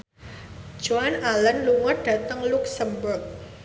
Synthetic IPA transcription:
d͡ʒoanalənluŋɔrd̥a̤t̪əŋlʊksəmbɔt̪̚

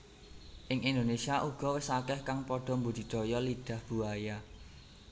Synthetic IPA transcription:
ʔɪŋʔind̪onesiaʔuɡ̥ɔ̤wɪsakɛhkaŋpɔɖ̥ɔ̤mbud̪̥i̤d̪̥ɔ̤jɔliɖ̥ä̤hb̥ṳaja

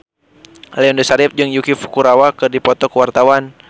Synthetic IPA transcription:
lɛɔndəsaɾɪp̚d͡ʒɨŋjukifu̥kuɾawakɨrdipɔt̪ɔkəwart̪awan

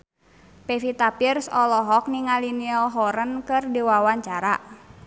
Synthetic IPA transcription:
pefit̪apirsɔlɔɦɔk̚niŋaliniɔlɦɔɾənkɨrdiwawaɲt͡ʃaɾa

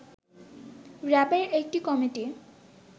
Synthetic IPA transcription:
ɾɛpaɾek̚ʈikɔmiʈi

